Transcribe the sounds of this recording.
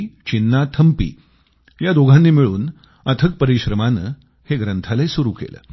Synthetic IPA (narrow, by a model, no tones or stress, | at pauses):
t͡ɕinːat̪ʰəmpḭː | jad̪oɡʱãnːiːmiɭṵːn | ət̪ʰək̚pəɾiɕɾəmanə̰ | heɡɾənt̪ʰaləsuɾukḛlə̰ː